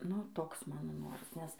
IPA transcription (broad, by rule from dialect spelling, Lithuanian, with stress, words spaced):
nʊ ˈtoːks ˈmɑːnoː ˈnoːrɐs nʲɛs